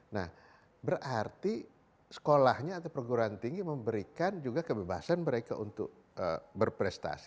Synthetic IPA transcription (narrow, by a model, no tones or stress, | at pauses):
nah | bərart̪i | sə̥kolahɲaːt̪awpərɡuɾaant̪iŋɡiməmbəɾikand͡ʒuɡakəbeba̰sanməɾeka̰ʔunt̪ʊ̰k̚ | ə̰bərpɾɛst̪a̰si̥